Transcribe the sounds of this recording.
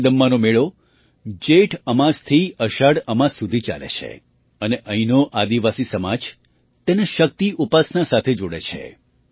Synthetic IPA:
d̪əmːanomeɭo | d͡ʒeʈʰəmast̪ʰiəʃaɽəmassud̪ʱit͡ʃa̰lḛt͡ʃʰḛ | əneʔəinoʔad̪iʋasisəmad͡ʒ | t̪eneʃək̚t̪iʔupasnasat̪ʰed͡ʒoɽḛt͡ʃʰḛ

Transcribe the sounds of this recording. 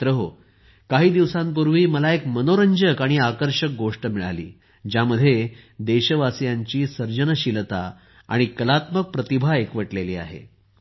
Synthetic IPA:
t̪ɾəɦo | kaɦiːd̪iʋsãmp̬uɾʋiːməlaekmənoɾəɲd͡ʑəkaɽ̃iakəɾɕək̚ɡoʂʈəmiɭa̰lḭː | d͡ʑjaməd̪ʱːjed̪eɕəʋasjaɲt͡ɕiːsəɾd͡ʑənəɕilt̪a̰ | a̰ɽ̃ikəlat̪mək̚pɾət̪ibʱaekʋəʈleliːa̰ɦḛ

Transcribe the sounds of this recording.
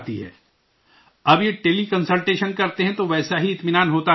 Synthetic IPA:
t̪iɦɛ̰ː | ɐbjeʈeːlikɐ̃nsəlʈeːʃənkɐɾt̪eɦɛ̃t̪oʋɛːsaɦiɪt̪mɪnaːnɦoːt̪a

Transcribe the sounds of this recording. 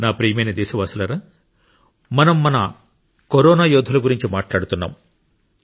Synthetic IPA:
naːpɾiːjɐmɐjnɐd̪ɛːsiʋaːsulɐɾaː | mɐnɐmːɐnɐ̰ | kɔɾɔːnaːjɔːd̪ʱɐlɐɡuɾiɲt͡ʃimaːʈlaːɽut̪unːa̰ːm

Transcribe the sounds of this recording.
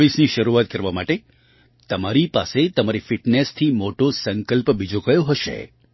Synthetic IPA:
ʋisniʃəɾuat̪̚kəɾʋamaʈe | t̪əmaɾipaset̪əmaɾifiʈnest̪ʰimoʈosəŋkəlpbid͡ʒokəjoɦəʃḛ

